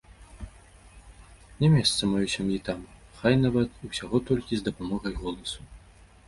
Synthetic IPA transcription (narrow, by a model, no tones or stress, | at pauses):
nʲɛmʲɛst̪sɐmajusʲamjit̪amxajnavɐt̪usʲaɣɔt̪ɔlʲkʲizd̪ɐpamɔɣɐjɣɔlˠɐsu̥